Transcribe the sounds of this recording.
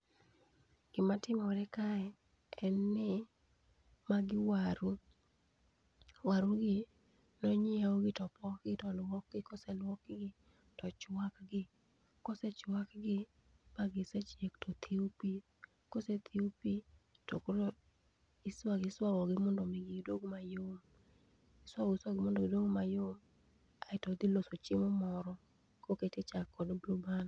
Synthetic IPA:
ɡ̥ɪmatɪmɔɾɛkaɛ | ɛnːɪ | maɡɪwaɾu | waɾuɡɪ | nɔɲɪaoɡɪtɔpɔkɡɪtɔlwɔk̚ɡɪkɔsɛlwɔkɡɪ | tɔt͡ʃwakɡɪ | kɔsɛt͡ʃwakɡɪ | paɡɪsɛt͡ʃektɔt̪ʰiupi | koset̪ʰiupi | tɔkolo | ɪswaɡɪswawɔɡɪmɔndomiɡɪɡidwoɡomajom | ɪswaɪsɡɪmɔndoɡɪdwoɡomajom | aɪtɔd̪ilosot͡ʃɪmɔmɔɾɔ | koketet͡ʃakːɔdbluban

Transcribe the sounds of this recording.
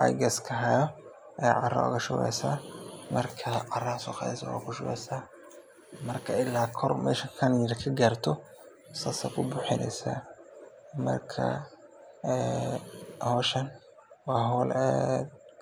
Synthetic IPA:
a̰jɡɐskʰɐɦɐjɔ | ʔɛːʕɑrɐ̰ʊ̰ɣɐʃʊɛ̰saːmɐrkʰɐʕɑrɐsɔːqɑðɛsɐwa̰kʰʊʃʊɣɛ̰jsaː | mɐrkʰɐɪlːaːkʰɔrmʔɛːʃɐkʰɐnjɪɾkʰɐɡaːrt̪ʰɔ | sasɐkʰʊbʊħɪnɛ̰jsa̰ː | mɐ̰rkʰɐ̰ | ɛː | hɔːʃɐn | wɑːɦɔːlɛː

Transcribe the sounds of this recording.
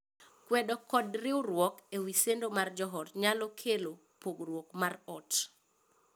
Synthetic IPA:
kwɛdɔkɔdrɪwrwɔkewisendomard͡ʒɔɦɔtɲalɔkʰelo | poɡrwɔkmarɔt

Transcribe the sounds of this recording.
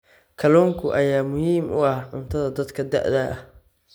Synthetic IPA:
kʰɐlɔːŋkʰʊʔɐjaːmʊhiːmʔʊ̰ɐhʕʊnt̪ʰɐðɐd̪ɐd̪kʰɐd̪ɐ̰ʔðɐʔɐh

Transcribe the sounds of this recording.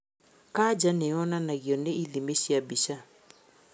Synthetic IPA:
kad͡ʒanɛɔnanaɣiɔneilimeʃiabiʃa

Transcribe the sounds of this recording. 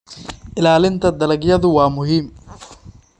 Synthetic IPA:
ʔɪlaːlɪnt̪ʰɐd̪ɐlɐɡjɐðʊwɑːmʊɦiːm

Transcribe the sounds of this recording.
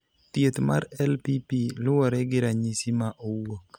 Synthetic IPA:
t̪jet̪ma̰ɾɛlpipilʊwɔɾɛɡɪɾaɲisimaʔowok

